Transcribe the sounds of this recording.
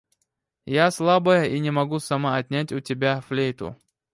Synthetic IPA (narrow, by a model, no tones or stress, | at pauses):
jaslˠabəjəʔinʲɪmɐɡusɐmaɐt̪ʲnʲætʲʊtʲɪbʲaflʲejt̪ʊ̰